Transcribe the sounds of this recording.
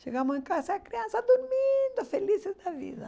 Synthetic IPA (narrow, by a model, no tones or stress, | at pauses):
ʃeɣamʊsẽŋkasaːkɾiãnsɐd̪uɾmind̪ʊfelisɪzd̪ɐvḭðɐ